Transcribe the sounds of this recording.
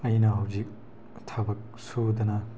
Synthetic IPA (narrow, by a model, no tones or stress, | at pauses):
ɐjnɐɦɐwzik̚ | tʰabɐk̚sud̪ɐnɐ